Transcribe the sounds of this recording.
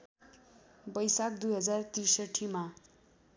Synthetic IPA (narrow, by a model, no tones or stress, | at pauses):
bʌjsak̚d̪ujɦʌd͡zart̪irsʌʈʰːima